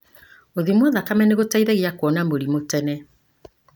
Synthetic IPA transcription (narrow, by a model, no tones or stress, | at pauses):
oðimwɔðakamɛneɣotaiðɛɣiakwɔnamoɾimotɛnɛ